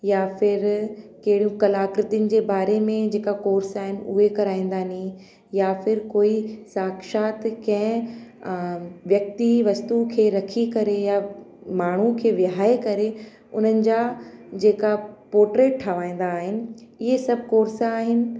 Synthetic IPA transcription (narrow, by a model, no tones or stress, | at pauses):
jaːfɪɾkɐɦɪɽijũkɐlaːkɾɪt̪iʊnɪ̆d͡ʑeːbaːɾemẽd͡ʑeːkakoːɾsaːɦɪnɪ̆ṵɦekɐɾaːĩːn̆d̪aːnĩ | jaːfɪɾkoːisaːkʃaːt̪kɐ̃ɦɪ̃ | ʋjɐk̚t̪iʋɐst̪ukʰeːɾɐkʰikɐɾeja | maːɳ̤ukʰeːʋjɪɦaːekɐɾe | ʊn̤ənɪ̆d͡ʑaːd͡ʑeːkapoːɾʈɾeːʈʈʰaʋaːĩːn̆d̪aːɦɪnɪ̆ɪɦesɐb̚ʱkoːɾsaːɦɪnɪ̆